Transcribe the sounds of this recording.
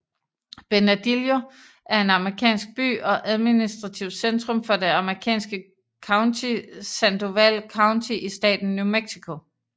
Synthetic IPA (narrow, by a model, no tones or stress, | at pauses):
b̥e̝næd̥iljo̝ | ʔæɐe̝nɑ̈məʁikʰɛ̰ːnsɡ̥̚b̥y̰ːɒ̽ʔæð̞ˠminisd̥ʁɑ̈t͡sʰiʊ̰d̥send̥ʁɔ̽mfɒ̽d̥e̝ɑ̈məʁikʰɛ̰ːnsɡ̥ə | kʰɑ̈ʊnt͡sʰisænd̥o̝ʋæl̰kʰɑ̈ʊnt͡sʰiʔisd̥ɛ̰ːd̥n̩ːumeɡ̥sikʰo̝